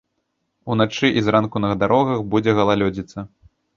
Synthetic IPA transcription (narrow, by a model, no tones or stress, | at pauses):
unat͡ʂɨʔizɾankunɐɣd̪aɾɔɣɐxbud͡zʲɛɣɐlˠalʲɔd͡zʲit̪sɐ